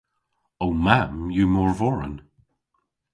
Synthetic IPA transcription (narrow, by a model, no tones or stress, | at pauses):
omamjumɔɹvɔɹə̰n